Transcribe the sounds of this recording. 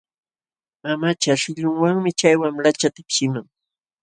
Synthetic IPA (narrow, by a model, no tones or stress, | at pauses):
mamat͡ʃaʃɪʎʊŋwaŋmɪt͡ʃajwamlat͡ʃat̪apʃɪmaŋ